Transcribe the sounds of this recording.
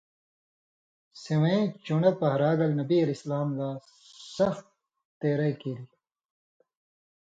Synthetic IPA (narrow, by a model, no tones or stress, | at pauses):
seweẽt͡ɕuɳepɐɦɾaːɡɐlnɐbiɐlislaːmɡaː | sɐxt̪ | t̪eːɾɐikiːɾi